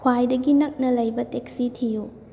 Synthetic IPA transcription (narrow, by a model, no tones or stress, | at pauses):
kʰwajdɐɡinɐk̚nɐlɐjbɐtek̚sitʰiju